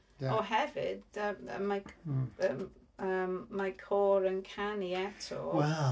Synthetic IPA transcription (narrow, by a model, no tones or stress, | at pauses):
jaɔɦɛvɪ̰dəə̰maə | əːmːajkʰɔːɾənkʰaniɛtʰɔ̰wɛl